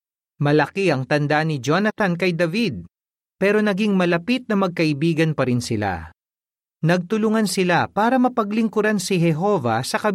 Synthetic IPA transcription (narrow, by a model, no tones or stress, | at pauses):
mɐlɐkiɐŋt̪ɐnd̪anɪd͡ʒonɐt̪ɐnkɐjd̪ɐvid̪̚ | pɛːɾo̞nɐɡiŋmɐlɐpit̪̚nɐmɐɡ̚kɐʔɪbiːɡɐnpɐɾɪnsɪla̰ | nɐɡ̚t̪ʊlʊŋansɪlapaːɾɐmɐpɐɡlɪŋkʊɾansiɦɛɦo̞vɐ̰sɐkɐ